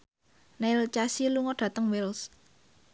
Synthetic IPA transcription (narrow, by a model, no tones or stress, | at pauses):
nalt͡ʃasiluŋɔɖ̥ä̤t̪əŋwɪls